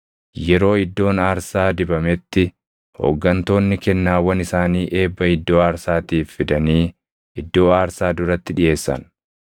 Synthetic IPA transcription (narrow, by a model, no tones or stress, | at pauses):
jɛɾo̞ːɪd̪ːo̞ːnaːɾsaːd̪ɪbɐmɛt̪ːɪ | ho̰ɡːɐnt̪o̞ːnːɪkɛnːaːwɐnɪsaːniːʔe̞ːbːɐɪd̪ːo̞ːaːɾsaːt̪iːfːɪd̪ɐniː | ɪd̪ːo̞ːaːɾsaːd̪ʊɾɐt̪ːɪᶑɪʔe̞ːsːɐ̰n